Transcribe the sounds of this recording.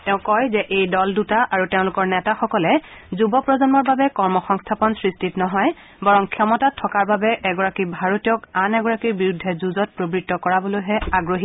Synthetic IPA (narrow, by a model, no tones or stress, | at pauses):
tɛʊ̃kɔjzɛʔejdɔldutaʔaɹuteʊ̃lʊkɔɹnɛtaxɔkɔlɛ | zubɔpɹɔzɔnmɔɹbabɛkɔɹmɔxɔŋstʰapɔnsɹistʰitnɔɦɔj | bɔɹɔŋkʰjɔmɔtatʰːɔkaɹbabɛʔɛɡɔɹakibʱaɹotijɔkanɛɡɔɹakiɹbiɹudʱːɛzuzɔt̚pɹobɹitːɔkɔɹabolojɦɛaɡɹoɦi